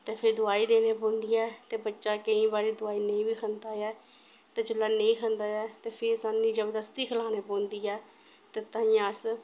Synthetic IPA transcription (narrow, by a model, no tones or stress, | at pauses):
t̪eːpʰɪɾd̪ʊaːiːd̪eːneːpõːnd̪iːɛːt̪eːbətːʃaːkəĩːbaːɾiːd̪ʊaːiːnəĩːbiːkʰənd̪aːɛː | t̪eːd͡ʒəlːaːnəĩːkʰə̃nd̪aːɛːt̪eːpʰɪɾsaːnĩːd͡ʒəbd̪əst̪iːkʰəlaːneːpõːnd̪iːɛː | t̪eːt̪ãːĩːãəs